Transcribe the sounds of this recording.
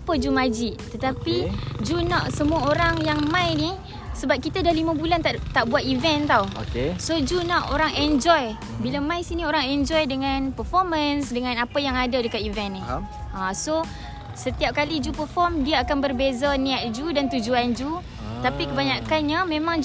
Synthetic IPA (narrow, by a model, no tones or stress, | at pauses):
apəd͡ʒumad͡ʒɪʔt̪ət̪apid͡ʒunaʔsəmuaoɾaŋjaŋmãjni | səbap̚kit̪adahlimãbulant̪at̪aʔbuat̪̚ivɛnt̪awokesod͡ʒunaʔoɾaŋɛnd͡ʒɔj | bilamãjsinioɾaŋɛnd͡ʒɔjdəŋanpərfɔrmənsdəŋanapajaŋadadəkat̪ivɛnːi | ʔaso | sət̪iap̚kalid͡ʒupərfɔrmdiaakanbərbezaniaʔ̚d͡ʒudant̪ud͡ʒuand͡ʒu | ət̪apikəbaɲakanɲamẽmãŋd͡ʒ